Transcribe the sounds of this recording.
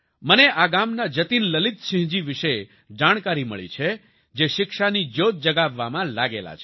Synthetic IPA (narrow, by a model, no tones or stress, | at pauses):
məneʔaɡamnad͡ʒət̪inləlit̪ʃɪ̃ɦd͡ʒiʋɪʃe | d͡ʒaɽ̃kaɾimə̰ɭḭt͡ʃʰe | d͡ʒeʃɪkʃanid͡ʒot̪̚d͡ʒəɡaʋːamãlaɡḛla̰t͡ʃʰe